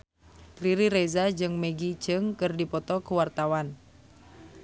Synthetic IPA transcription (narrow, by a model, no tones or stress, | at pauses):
riɾiɾɛzad͡ʒɨŋmɛɡit͡ʃɨŋkɨrdipɔt̪ɔkuwart̪awan